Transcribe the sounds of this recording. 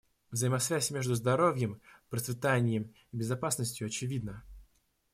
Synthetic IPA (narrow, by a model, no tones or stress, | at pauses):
vzəɪmɐsvʲæsʲmʲe̞ʐd̪ʊzd̪ɐɾo̞vʲjəmpɾət̪sʲvʲɪt̪anʲɪjəm | ɪbʲɪzɐpasnəsʲtʲjʊɐt͡ɕɪvʲid̪̚nə